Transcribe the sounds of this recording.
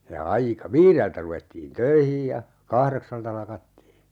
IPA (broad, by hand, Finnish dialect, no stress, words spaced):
jɑ ɑikɑ ʋiːreltæ ruʋetːiːn tøihij jɑ kɑhreksɑltɑ lɑkɑtːiː